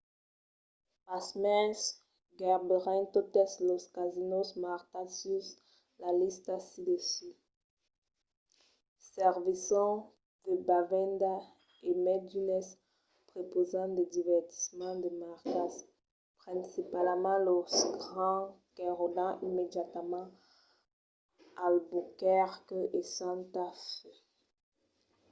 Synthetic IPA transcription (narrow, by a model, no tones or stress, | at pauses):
pasmɛs | ɡɛʁbeʁɛ̃t̪ot̪ɛsloskazinosmaʁtasys | lalist̪asid̪esy | sɛʁvisɔ̃ | d̪̥əbavɛ̃nd̪a | emɛd̪ynɛs | pχepozɑ̃d̪əd̪ivɛʁt̪i̥smɑ̃d̪əmaʁkas | pχɛ̃sipalmɑ̃lɔsɡʁɑ̃kɛʁod̪ɑ̃ʔimed̪jat̪mɑ̃ | albukɛʁkesãt̪af